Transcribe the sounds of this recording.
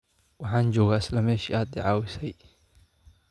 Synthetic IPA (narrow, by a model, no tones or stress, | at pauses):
wɑħaːnd͡ʒɔːɣaːɪslɐmɛːʃɪaːd̪̚d̪ɪʕaːwɪsɛj